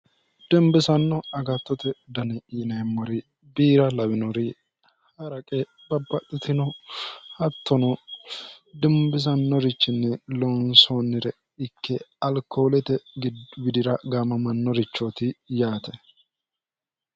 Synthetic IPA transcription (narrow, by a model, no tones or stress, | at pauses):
d̪̥ɛmbɪsɐnːɔɐɡɐt̪ːɔt̪ɛd̪ɐnɛiːnɐɛmːɔɾɪ | biːɾɐlɐwɪnɔɾɪ | hɐɾɐkʼɛ | bɐbːɐt̪ʼːɪt̪ɪnɔhɐt̪ːɔnɔ | d̪ɛmbɪs̬ɐnːɔɾɪt͡ʃːɪnːɛlɔnsɔnːɪɾɛ | ɪkʰːɛɐlkʰoːlɛt̪ɛɡɡɪd̪ɪɾɐɡaːmɐmɐnːɔɾɪt͡ʃːɔt̪ɪjaːt̪ɛ